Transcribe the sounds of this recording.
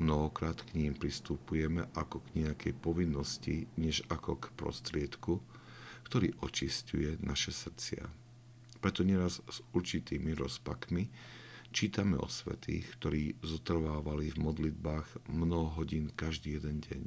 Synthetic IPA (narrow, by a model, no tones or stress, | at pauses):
mnɔɦɔkɾaːt̪kɲiːmpɾist̪upujɛmɛʔakɔɡɲɛakʰɛjpɔʋinːɔsciɲɛʒakɔkpɾɔ̰st̪ɾɪɛt̪ku | kt̪ɔɾḭːʔɔt͡ʃiscṵjɛnaʃɛsr̩t͡sɪa̰ | pɾɛt̪ɔɲɛɾazz̥uɾt͡ʃit̪iːmiɾɔspakmi | t͡ʃiːt̪amɛ̰ɔ̰sʋɛ̰t̪ḭːxkt̪ɔɾiːzɔt̪r̩ʋaːʋalivmɔd̪lid̪̚baːɣmnɔɦɔɦɔɟiːnkaʒd̪iːjɛd̪ɛnɟɛ̰ɲ